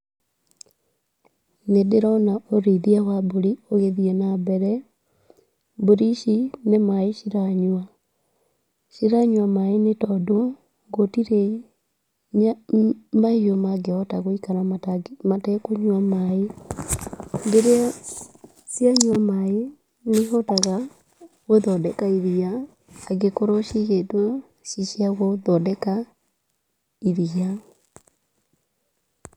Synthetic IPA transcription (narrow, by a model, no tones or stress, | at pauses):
nedeɾaɔnaoɾiðiawaboɾioɣeðienabɛɾɛ | boɾiʃinemaeʃiɾaɲwa | ʃiɾaɲwamaenetɔdo | ŋɡotiɾe | maijomaɡeɔtaɣoikanaamatɛkoɲwamae | mbeɾea | sjaɲwamae | neɦɔtaɣa | ɣoðɔdɛkaiðiaː | ɡekoɾɔʃiɣetwɔ | ʃiʃiaɣoðɔdɛka | iðia